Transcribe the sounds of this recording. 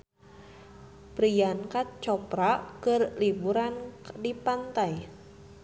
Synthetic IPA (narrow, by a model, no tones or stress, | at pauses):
pɾijankat̪̚t͡ʃɔpɾakərlibuɾandipant̪aj